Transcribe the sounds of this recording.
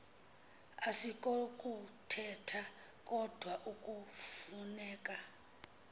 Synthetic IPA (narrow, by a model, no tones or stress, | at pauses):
asikʼokʼutʰɛtʰa | kʼɔd̥ʱwaʔukʼufunɛːkʼa